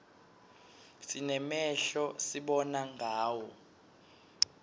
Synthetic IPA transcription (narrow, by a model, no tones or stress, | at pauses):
sinɛmɛɬɔsiɓɔnaŋʱaːwɔ